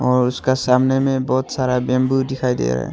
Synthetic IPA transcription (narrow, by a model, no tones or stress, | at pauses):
ɔɹuskasamnɛmɛbɔt̪saɾabɛmbudikʰajdɛ̰a̰ɹɛ̰